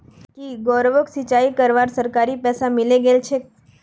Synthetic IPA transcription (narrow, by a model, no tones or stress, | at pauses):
kiɡɔɾʋəksit͡ʃaikəɾʋaɾsəɾkaɾipɛsamɪleɡelt͡ʃʰe